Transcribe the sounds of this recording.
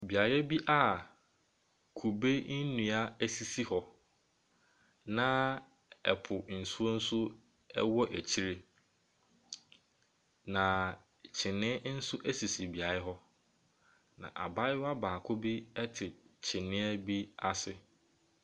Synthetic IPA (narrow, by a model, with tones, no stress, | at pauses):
bi˨a˨ɾɛ˦bi˦ʔa˦˨ | kʰu˨be˦n̩˦nũ˨a˦æ˦si˦si˦hɔ˨ | nã˦ | ɛ̰˨pʰʊ˨n̩˨su˦o˦n̩˦sʊ˦ | ɛ̰˦wɔ˦ʔæ˨t͡ɕʰi˦ɾe˦ | nã˨ | t͡ɕʰɪ˨nɪ̃˦n̩˦sʊ˦ʔæ˦si˨si˨bi˨a˨ɾɪ˦ɦɔ˦ | nã̰˨ʔa̰˨ba˦ɪ˦wa˦baː˨kʰʊ˦bi˦ɛ˦tʰɪ˨t͡ɕʰɪ˨nɪ̃˦ɛ˦bi˦a˦sɪ˨